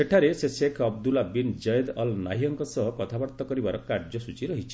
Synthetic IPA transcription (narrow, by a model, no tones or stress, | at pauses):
eʈʰaɾesesekʰɔbd̪ulabind͡ʒɔjd̪ɔlna̰ɦiɔŋkɔsɔɦɔkɔt̪ʰabaɾt̪ɔkɔɾibaɾɔkaɾd͡ʒɔsut͡ʃiɾɔɦit͡ʃʰi̥